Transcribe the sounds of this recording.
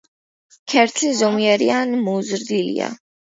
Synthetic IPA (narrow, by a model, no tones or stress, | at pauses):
kʰɛɾt̪ʰlizɔmiɛɾianmɔzɾd̪ilḭa̰